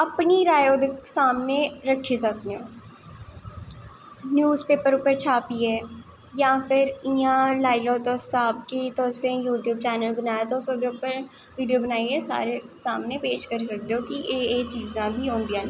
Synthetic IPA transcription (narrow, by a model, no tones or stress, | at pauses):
əpniːɾaːjoːd̪əksaːmneːɾəkʰːiːsəkneː | njuːzpeːpəɾʊpːəɾt͡ʃʰaːpiːɛː | jãːpʰɪɾiãːlaːilɔːt̪ɔːaːb̚kit̪ɔːsẽːjuːʈjuːb̚t͡ʃɛːnəlbənaːjaːt̪oːsõːd̪eːʊpːəɾ | ʋiːɖijoːbənaːiːɛːsa̰ːɾeːsaːmneːpeːʃkəɾiːs̬ək̚d̪eoːkɪʔeːeːt͡ʃiːzãːbʱiːɦõːnd̪iãːnː